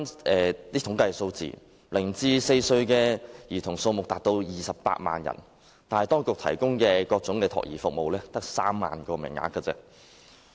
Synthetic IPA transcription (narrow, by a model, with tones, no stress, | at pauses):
nɛː˨t̪iː˥t̪ʰʊ˨˥ŋkɐ˧jso˧wt͡sḭː˨˩ | lɪ˨˩ŋt͡siː˧se˧jsɵ˧ɥkɛː˧jiː˨˩t̪ʰʊ˨˩ŋso˧wmʊ˨k̚t̪aː˨˩k̚t̪o˧wjiː˨˩sɐ˨ppa̰ː˧t̚ma̰ː˨njɐ̰˨˩n | t̪aː˨nɐ˨jt̪ɔː˥ŋkʊ˨k̚t̪ʰɐ˨˩jkʊ˥ŋkɛː˧kɔː˧k̚t͡sʊ˨˥ŋkɛ˧t̪ʰɔ̰ː˨k̚jḭː˨˩fʊ˨k̚mo˨wlɛː˥t̪ɐ˥k̚saː˥mːa̰ː˨nkɔː˧mɪ̰˨˩ŋːa̰ː˨˥kːɐ˧t͡sɛ̰ː˧